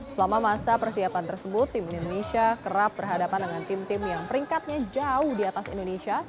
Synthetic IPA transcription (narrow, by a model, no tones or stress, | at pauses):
səlamamasapərsiapant̪ərsəbʊt̪ːimindodonesiakəɾap̚bərɦadapandəŋant̪ɪmt̪ɪmjaŋpəɾiŋkat̪̚ɲad͡ʒaʊhdiat̪asḭndonesia